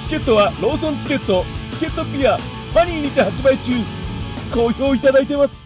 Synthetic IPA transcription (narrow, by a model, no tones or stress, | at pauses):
t͡ɕi̥kʲe̞t̪ːo̞βaɾo̞ːsõ̞nt͡sɨ̥kʲe̞t̪ːo̞t͡sɨ̥kʲe̞t̪ːo̞pʲia | maɲ̟iɲʲit̪ehat͡ɕɨbait͡ɕɨːɲiko̞ːjo̞ːit̪ad̪ait̪e̞masɨ̥